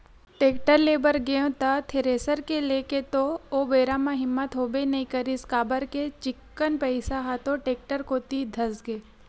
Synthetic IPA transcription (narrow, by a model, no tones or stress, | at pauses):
ʈeːk̚ʈəɾleːbəɾɡeõt̪ət̪ʰeɾeːsəɾkeleket̪oobeːɾamãɦɪmːət̪ɦoːbenɐĩkɐɾiskaːbəɾket͡ʃɪkːənpɐɪsaɦat̪oʈeːk̚ʈəɾkoːt̪id̪ʱɐsɡeː